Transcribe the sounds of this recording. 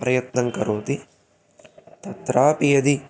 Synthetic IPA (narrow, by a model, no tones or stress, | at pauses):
pɾɐjɐt̪nɐŋkɐɾoːt̪i | t̪ɐt̪ɾaːpijɐd̪i